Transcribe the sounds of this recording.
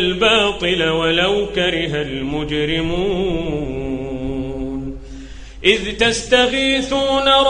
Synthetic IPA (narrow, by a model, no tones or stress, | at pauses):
lbɑːt̪ˤɨlawalawkaɾɪɦalmʊd͡ʒɾɪmuː | n | ʔɪðt̪ast̪afiːθuːnaɾˤ